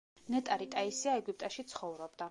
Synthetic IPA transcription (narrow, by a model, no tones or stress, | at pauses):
nɛt̪ʼaɾit̪ʼaisiaɛɡup̚ʼt̪ʼaʃit̪sʰχɔvɾɔbd̪a